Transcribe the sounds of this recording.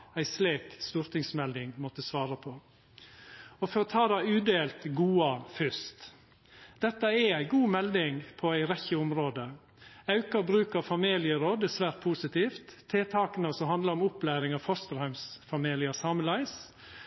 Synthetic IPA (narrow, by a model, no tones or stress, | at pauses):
æɪsleːkst̪uːɾt̪ɪŋsmɛld̪ɪŋmɔt̪əsʋɑːɾəpʰɔ | ɔfɔɾɔt̪ʰɑːd̪æɪʉːd̪eːlt̪ɡuːɑfʏst̪ | d̪̥ɛt̪ːəɛæɪɡuːmɛld̪ɪŋpʰɔæɪɾɛçəʊmɾoːd̪ə | ɑʉkəɾbɾʉːkɑfɑmiːlɪəɾoːd̪ɛsʋæːɾt̪̚pʰuːsɪt̪iːft̪ʰːeːt̪ʰɑːkənəsɔɦɑnd̪ləɾɔmʊplæːɾɪŋɑːʋfɔst̪əɾhæɪmsfɑmiːlɪɑsɑːməlæɪs